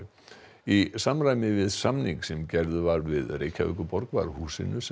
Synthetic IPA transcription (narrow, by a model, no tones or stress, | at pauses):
isamɾaːjmɪvɪðsamniŋksɛmcɛɾðʏvaɾvɪðrejcʰaʏ̰kʏpɔɾkva̰ɾhuːsɪ̰nʏs